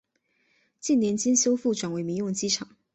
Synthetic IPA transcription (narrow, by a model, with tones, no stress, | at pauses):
t͡ɕi˥˩nnjɛ˧˥nt͡ɕi˥nɕjo˥ʊfu˥˩ʈ͡ʂwa˨˩nwe˧˥ɪmi˧˥jʊ˥˩˧ŋt͡ɕi˥ʈ͡ʂʰɑ˨˩˦ŋ